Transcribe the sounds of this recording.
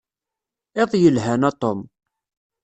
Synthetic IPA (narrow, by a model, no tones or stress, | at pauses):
eðˤjəlɦænɑt̪ˤːom